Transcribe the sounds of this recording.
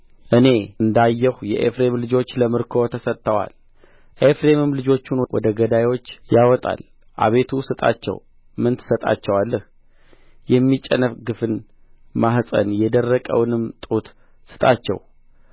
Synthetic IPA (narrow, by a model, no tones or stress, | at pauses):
ʔɨne̞ɨnd̪ajːɛhjɛʔefɾe̞mlɨd͡ʒo̞t͡ʃːləmɨɾkʰo̞t̪ʰəsət̪ːəwa̰l | ʔefɾe̞mɨmlɨd͡ʒo̞t͡ʃːunwwɔ̰d̪əɡəd̪ajwo̞t͡ʃːjawɔt̪ʼa̰l | ʔa̰βe̞t̪ʰusɨt̪ʼa̰t͡ʃːɛ̰w | mɨnt̪ʰsət̪ʼa̰t͡ʃːɛwalːəh | jɛmːit͡ʃʼːənəfɡɨfɨn | maɦsʼə̰njɛd̪ərːəkʼə̰wnɨmt̪ʼut̪ | sɨ̥t̪ʼa̰t͡ʃːɛ̰w